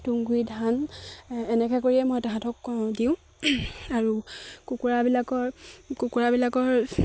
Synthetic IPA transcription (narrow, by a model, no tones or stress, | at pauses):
tuŋɡuidʱan | ɛnɛkɛkoɹiɛmojɛtaɦãtʰɔkːɔdiʊ̃ | aɹukukuɹabilakɔɹkukuɹabilakɔɹ